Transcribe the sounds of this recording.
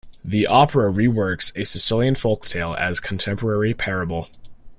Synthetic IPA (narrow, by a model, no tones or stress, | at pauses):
ðiʔɑpʰə˞əɹiwɜ˞ksɨsɨsɪlˠjɨ̃nfolˠktʰeɪlˠɨ̰z̥kʰn̩tʰɛ̃mpə˞ɛɹipʰɛɹɨbl̩ˠ